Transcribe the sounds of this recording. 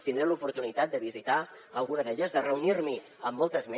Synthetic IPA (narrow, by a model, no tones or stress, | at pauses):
t̪ind̪ɾelupuɾt̪unit̪at̪̚d̪əβizit̪a | əlˠɣunəðeʎəzðərəunirmi | əmːɔlˠt̪əzme